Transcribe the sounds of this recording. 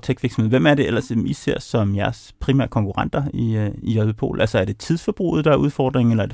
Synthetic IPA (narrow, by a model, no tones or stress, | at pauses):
t͡sʰeɡ̥ʋiɐɡsmḛʋemæɐɾe̝el̰ɐsmiseɐ̰sɒ̽mjæɐs | pʰʁimæ̰ɐkʰɒ̽ŋkʰuʁɑ̈n̰d̥ɐiijœbəpʰo̝̰ːl̩ʔælsɐæɐd̥e̝t͡sʰiðˠsfɒb̥ʁṵːð̩ˠd̥ɑæɐuð̞ˠfɒ̰ːd̥ʁeŋ̩elɐɐ̥e